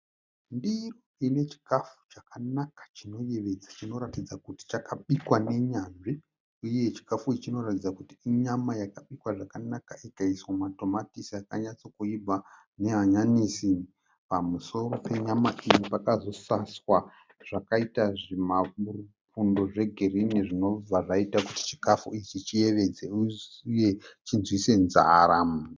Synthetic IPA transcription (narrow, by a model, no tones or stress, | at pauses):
ndiroine̞t͡ʃi̥kafu̥t͡ʃakanakḁt͡ʃino̞je̞ʋe̞d͡zat͡ʃino̞ɾatid͡zakuti̥t͡ʃakaɓikwane̞ɲaːnʐi | uje̞t͡ʃi̥kafuit͡ʃino̞ratid͡zakutiiɲamajakaɓikwaʐakanakaikaiswamato̞matisiakaɲat͡sokuibʱa | ne̞ɦaɲanisi | pamuso̞ɾo̞pe̞ɲamaʔijipakazo̞saswa | ʐ̥akaitaʐimaru | pundo̞ʐe̞ɡʱe̞rineʐino̞b͡vaʐaitakuti̥t͡ʃi̥kafuit͡ʃit͡ʃije̞ʋe̞d͡zeuje̞t͡ʃinzwise̞nzaːɾam